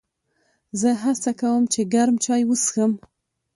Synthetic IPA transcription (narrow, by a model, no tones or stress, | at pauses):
zəɦat͡sakawəmt͡ʃeɡaɾmt͡ʃɑjwəsxəm